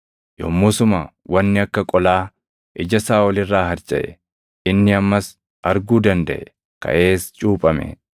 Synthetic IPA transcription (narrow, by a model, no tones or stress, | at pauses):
jɔ̰mːʊsʊmɐ | wɐnːɪɐkːɐkʼɔlaː | ʔɪd͡ʒɐsaːʔɔlɪrːaːɦɐɾt͡ʃʼɐ̰ʔɛ̰ | ɪnːɪɐmːɐs | ʔɐɾɡuːd̪ɐnd̪ɐ̰ʔɛ | kɐ̰ʔe̞ːst͡ʃʼuːpʼɐmɛ̰